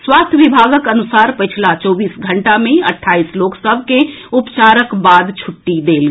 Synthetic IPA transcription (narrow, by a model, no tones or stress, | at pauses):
swaːst̪ʰjəʋɪbʱaːɡəkɐnʊsaːɾpɪt͡ʃʰlat͡ʃɔːbiːsɡʱɐ̃ɳʈamẽɐʈʰːaːiːsloːksəbʱke | ʊpt͡ʃaːɾəkbaːd̪t͡ʃʰʊʈːid̪eːl